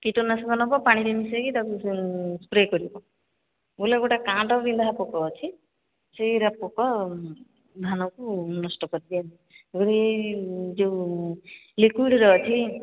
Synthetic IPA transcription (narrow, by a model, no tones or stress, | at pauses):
kiʈonasɔɡɔnɔbɔpaɽ̃iɾinisekit̪akuspɾekɔɾibɔ | boleɡoʈakãʈɔɾind̪ʱaɦapɔkɔːt͡ʃʰi | seɾapɔkɔ | d̪ʱanɔkunɔsʈɔkɔɾid̪ianiɡɔɽied͡ʒew | likwiɽɾɔt͡ʃʰi